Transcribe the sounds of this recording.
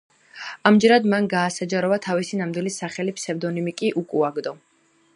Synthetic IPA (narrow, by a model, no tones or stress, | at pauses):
amd͡ʒɛɾad̪manɡaːsad͡ʒaɾɔvat̪ʰavisinamd̪wilisaχɛlipsɛvd̪ɔnimikʼiʔukʼuaɡd̪ɔ